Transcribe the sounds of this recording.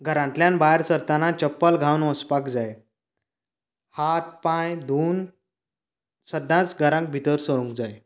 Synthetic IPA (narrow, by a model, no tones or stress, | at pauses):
ɡʱəɾãnt̪ljãnbaɦɾsəɾt̪anat͡ɕəpːəlɡʱawnəspakd͡zaj | hat̪̚pajd̪ʱuːn | səd̪ːãt͡sɡʱəɾãŋk̚bʱit̪əɾsəɽũŋkd͡zaj